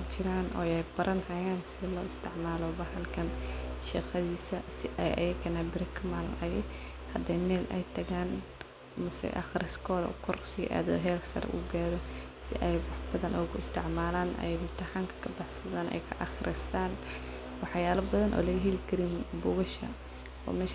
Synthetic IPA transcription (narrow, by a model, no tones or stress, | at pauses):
t͡ʃɪɾaːnʔɔ̰ːjɛjbɐɾʔɐnhɐjaːnsɪlɔːɪst̪ʰɪʕmaːlɔbɐhɐlkʰɐnʃɑqɐðiːsɐsɪʔɛjʔɐ̰jɐkʰɐnaːbɪɾɐkʰɐmal̰nɐjɛ | hɐd̪ɛjmɛːlʔɛ̰jt̪ʰɐɣaːn | mɐsɛ̰jʔɐ̰xɾɪskʰɔːðɐ̰kʰɔrsɪʔa̰ːðɔɦɛːlsɐ̰ɾ̰ʔṵɡaːɾɔ | sɪ̰ʔɛjwɑħbɐðɐnʔɔːkʰʊɪst̪ʰɪʕmaːlaːnʔɐ̰jɐɣʊt̪ʰɐħaːŋkʰɐ̥kʰɐbɑħsɐðaːnʔɛ̰jkʰɐʔɑxrʔɪst̪ʰaːn | wɑħjaːlɐbɐðɐnʔɔ̰ːlɐɣɐɦɛlɪkʰɐɾinbʊɣʊʃɐ̰ | ɔ̰ːmɛːʃ